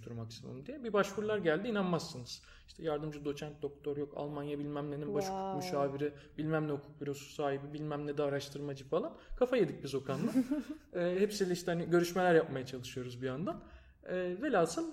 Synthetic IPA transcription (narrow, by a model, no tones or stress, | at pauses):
t̪ʰuɾmaksimṵmd̪ijɛbibaʃfuɾlˠaɾɟælʲd̪iːnanmasːɯnɯz̥ | iʃt̪ʰɛjaɾd̪ɯmd͡ʒɯd̪o̞t͡ʃʰænt̪̚d̪o̞k̚t̪ʰo̞ɾjo̞ka̰lˠmanjabilʲmæmlʲeninbaʃu̥kʰukmyʃaːviɾibilʲmæmlʲɛhukʰu̥k̚biɾo̞su̥saːɦibibilʲmæmlʲɛd̪ɛaɾaʃt̪ʰɯɾmad͡ʒɯfalˠankʰafajed̪ic̚bizo̞kʰanlˠaɛːhepsilʲɛiʃt̪ɛhaniɟø̞ɾyʃme̞lʲæɾjap̚majat͡ʃʰalˠɯʃɯjo̞ɾuzbijand̪an | ɛːvelʲasɯn